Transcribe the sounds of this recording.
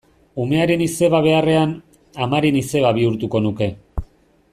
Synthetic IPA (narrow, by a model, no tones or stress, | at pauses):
ume̞aɾe̞nise̞βaβ̞e̞are̞an | amaɾinise̞βaβ̞iuɾt̪uko̞nuke̞